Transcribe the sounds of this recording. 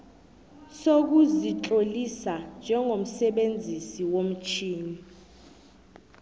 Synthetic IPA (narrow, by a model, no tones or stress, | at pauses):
sok̬uzit͡ɬʼolisand͡ʒʱɛŋɡʱom̩sɛɓend͡zʱisiwom̩t͡ʃʰiːni